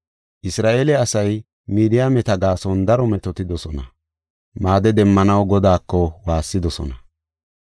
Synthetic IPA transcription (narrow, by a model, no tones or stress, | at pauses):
ʔɪsɾaːʔeːlɛɐsɐj | miːd̪ɪjamɛt̪ɐɡaːsɔnd̪ɐɾɔmɛt̪ɔt̪ɪd̪ɔsɔnɐ | maːd̪ɛd̪ɛmːɐnɐwɡɔd̪aːkːɔwaːsːɪd̪ɔsɔ̰nɐ